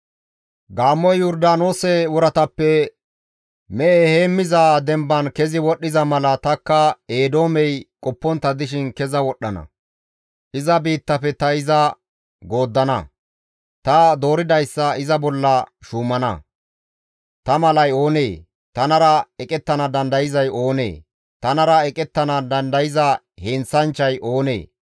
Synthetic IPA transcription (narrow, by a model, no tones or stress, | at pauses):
ɡaːmːɔjjʊɾd̪aːno̞ːsɛwɔɾɐt̪ɐpːɛ | mɛʔɛheːmːɪzaːd̪ɛmbɐnkɛzɪwɔɗːɪzɐmɐlɐt̪ɐkːɐe̞ːd̪o̞ːmɛjkʼɔpːɔnt̪ːɐd̪ɪʃ̬ɪnkɛzɐwɔɗːɐnɐ̰ | ʔɪzɐbiːt̪ːɐfɛt̪ɐɪzɐ | ɡo̞ːd̪ːɐnɐ | t̪ɐd̪o̞ːɾɪd̪ɐjsːɐɪzɐbɔlːɐʃuːmɐnɐ̰ | t̪ɐmɐlɐjo̞ːneː | t̪ɐnɐɾɐɛkʼɛt̪ːɐnɐd̪ɐnd̪ɐjɪzɐjo̞ːnḛː | t̪ɐnɐɾɐɛkʼɛt̪ːɐnɐd̪ɐnd̪ɐjɪzɐ | hɛnt͡sːɐnt͡ʃːɐjʔo̞ːnḛː